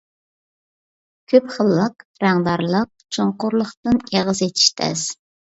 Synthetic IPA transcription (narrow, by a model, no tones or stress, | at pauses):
kʲʰøpχəlˠːəqɾæŋd̪ɑɾlˠəq̚t͡ʃʰoɴqʊɾlˠəχt̪ɨneʁəzet̪ʰi̥ʃt̪ʰɛ̰z̥